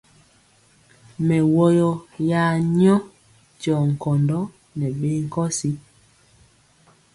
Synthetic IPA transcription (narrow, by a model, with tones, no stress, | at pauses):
mɛ˨wɔ˦jɔ˦ja˨˦ɲɔ˦ | t͡ʃɔ˨ŋ̩˨kɔ˨ndɔ˦ | nɛ˨ɓe˦ŋ̩˦kɔ˦si˦